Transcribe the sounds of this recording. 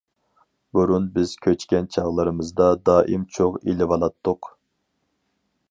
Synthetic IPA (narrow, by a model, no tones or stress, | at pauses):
buɾunbɪz̥kʲʰøt͡ʃkʲɛnt͡ʃʰɑʁlˠɨɾɨmɨzd̪ɑd̪ɑːʔimt͡ʃʰoʁilɪvɑlˠɑt̪ʰːʊq